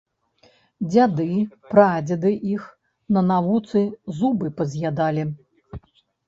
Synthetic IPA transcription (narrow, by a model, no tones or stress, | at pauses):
d͡zʲad̪ɨpɾad͡zʲɐd̪ɨʔix | nɐnavut̪sɨzubɨpɐzʲjad̪alʲi